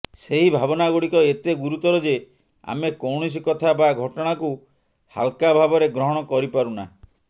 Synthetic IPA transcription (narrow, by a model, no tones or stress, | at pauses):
seɦibʱabɔnaɡuɽikɔet̪eɡuɾut̪ɔɾɔd͡ʒe | a̰mekɔwɳ̃ɔs̬ikɔt̪ʰabaɡʱɔʈɔɽ̃aku | ha̰lkabʱabɔɾeɡɾɔɦɔɽ̃ɔkɔɾipaɾuna